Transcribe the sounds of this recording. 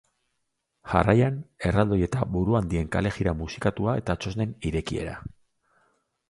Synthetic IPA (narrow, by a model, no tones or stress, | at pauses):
ʝa̰rajane̞rald̪o̞je̞t̪abuɾuand̪ie̞ŋka̰le̞ɣiɾamusi̥kat̪uae̞t̪at͡ʃo̞zne̞niɾe̞kie̞̰ɾa̰